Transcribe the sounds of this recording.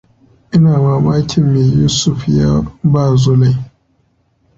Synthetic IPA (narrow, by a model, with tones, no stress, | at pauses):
i˦na˨ma˨ba˦kʲʰi˦mi˨ju˦su˦˨fja̰˦ba˦˨zo˦la˨i˨